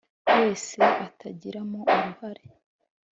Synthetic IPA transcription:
we̞ːse̞ʔatʰaɟiɾamo̞uɾuhaɾe̞

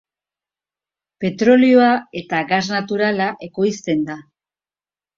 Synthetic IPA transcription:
pe̞t̪ɾo̞lio̞ae̞t̪aɣaznat̪uɾalaʔe̞ko̞jst̪e̞nd̪a

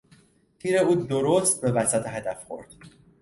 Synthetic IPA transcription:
tʰiːɾe̞uːd̪oɾost̪̚be̞væsæt̪ʰeɦæd̪æfχo̞̰ɾd̪̥

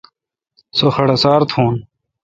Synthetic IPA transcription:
soxɐɽɐsaːɾt̪ʰũːn

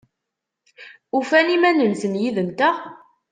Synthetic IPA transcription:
ufænimænənθənjiðənt̪æ

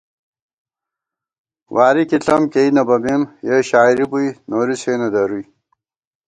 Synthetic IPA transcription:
waːɾikiɬɐmkejnɐbɐmimjeɕaːiɾibujnoːɾiseːnɐd̪ɐɾuj

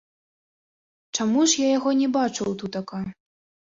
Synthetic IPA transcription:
t͡ʂamuʂjajaɣɔnʲɛbat͡ʂɨwt̪ut̪aka

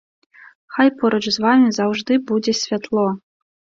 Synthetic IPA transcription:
xɑjpoɾot͡ɕzʋɑmʲizɑwʐd̪ɨbudʲesʲvʲat̪lˠo

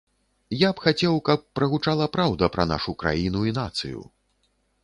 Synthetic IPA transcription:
japxat͡sʲɛwkɐpːɾɐɣut͡ʂalˠɐpɾawd̪ɐpɾɐ̰na̰ʂukɾa̰jinuinat̪sɨ̰jṵ

